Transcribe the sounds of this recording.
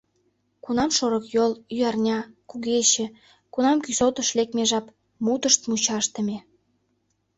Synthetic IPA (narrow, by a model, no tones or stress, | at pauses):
kunɑmʃoɾəkjolyɑrnʲɑkuɣeɕĕ | kunɑmkysot̪ə̆ʃlek̚meʒɑp | mut̪əʃt̪mut͡ɕɑʃt̪ə̆mʲe